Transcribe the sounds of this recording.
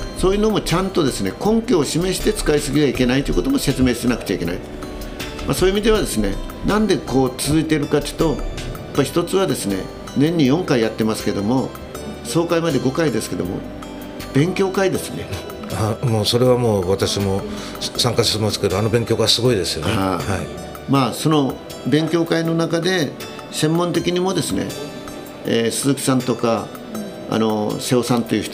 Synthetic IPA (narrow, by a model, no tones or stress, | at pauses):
so̞ːjɯːno̞mo̞t͡ɕãnt̪o̞d̪e̞sɨne̞̰kõ̞ŋkʲoːɕime̞ɕi̥t̪e̞t͡sɨ̥kaisɨɡʲieaike̞nait̪oiɯ̟ko̞t̪o̞mo̞se̞t͡sɨme̞ːɕi̥t̪e̞nakɯ̟̥t͡ɕaikʲe̞na̰i | maso̞ːiːmid̪e̞β̞ad̪e̞sɨne̞̰ | nãnd̪e̞ko̞ːt͡sɨzɨit̪e̞ɾɯ̟kat̪ːt̪o̞japːaçi̥t̪ot͡sɨβad̪e̞sɨne̞̰ | nẽ̞ɲ̟ːijõ̞ŋkaijat̪ːe̞masɨ̥ke̞d̪o̞mo̞ | so̞ːkaimad̪e̞ɡo̞kaid̪e̞sɨ̥ke̞d̪o̞̰mo̞̰ | b̥ẽ̞ŋkʲo̞ːkaid̪e̞sɨne̞̰ | amoːso̞ɾe̞βamo̞ːβat̪aɕimo̞ | sãŋkaɕi̥t̪emasɨ̥ke̞d̪oano̞bẽ̞ŋkʲo̞ːɡasɨɡo̞id̪e̞sɨjoneahai | maːso̞no̞ | bẽ̞ŋkʲo̞ːkaino̞nakad̪e̞ | sẽ̞mːont̪e̞kʲiɲ̟imo̞d̪e̞sɨne̞̰ | eːsɨzɨkʲi̥sãnt̪o̞ka | a̰no̞seosãnt̪e̞iɯ̟ç̥t̪